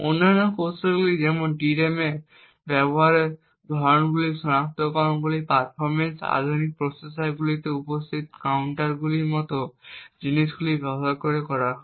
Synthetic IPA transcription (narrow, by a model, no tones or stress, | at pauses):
o̰nanakoseɡlizɛmɔnʈiɾemɛ | bɛbɔɦaɹɛ | d̪ʱɔɹɔnbulisɔnak̚t̪ɔkaɔnɡulipaɹ̚pʰɔɹmensa̰d̪ʱunik̚pɹɔsesaɹɡulitɛupɔst̪ʰit̪̚kawnʈaɹɡulimɔt̪ɔzinisɡulibɔbɔɦaɹkɔɹikɔɹa